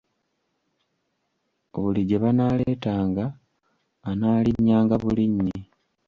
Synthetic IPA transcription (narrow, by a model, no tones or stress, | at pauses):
oβuliɟeβanaːleːtaːŋɡaː | naːliɲːaːŋɡaβuliɲːi